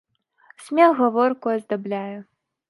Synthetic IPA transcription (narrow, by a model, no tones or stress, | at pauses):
sʲmʲɛxɣɐvɔrkuɐzd̪ablʲajɛ